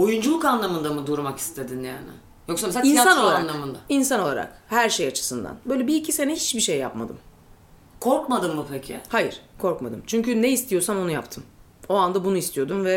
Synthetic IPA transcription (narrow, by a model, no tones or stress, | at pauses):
ojund͡ʒulˠukanlˠamɯnd̪amɯd̪uɾmaki̥st̪ʰe̞d̪inja̰ːnɪ̰ | jo̞ksames̬eainiasanolˠaanalˠamɯnd̪ainsano̞lˠaɾa̰khæɾʃejat͡ʃʰɯ̥sɯnd̪a̰nbø̞jlʲɛbiːcʰise̞nɛhi̥t͡ʃbiʃejːa̰pma̰d̪ɯ̰m | kʰo̞ɾkmad̪ɯmːupʰecʰɪ̰hajiɾ̥kʰo̞ɾkmad̪ɯ̰mt͡ʃʰyɲcynɛist̪ijo̞samo̞nujapt̪ʰɯm | o̞and̪abunuist̪ʰijo̞d̪unvɛ